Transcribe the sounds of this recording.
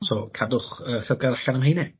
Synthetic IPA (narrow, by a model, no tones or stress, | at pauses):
sɔkʰadʊχəːsɛɡaɾaɬanəmɦejnɛ